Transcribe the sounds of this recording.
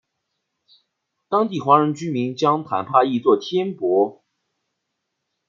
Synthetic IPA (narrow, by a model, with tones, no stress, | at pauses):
t̪ɑ˥ŋt̪i˥˩xwa˧˥ɻə˧˥nt͡ɕy˥mi˧˥ŋt͡ɕjɑ˥ŋt̪ʰa̰˧˥npʰa˥˧i˥˧t͡swɔ˥˩t̪ʰjɛ˥npwɔ˧˥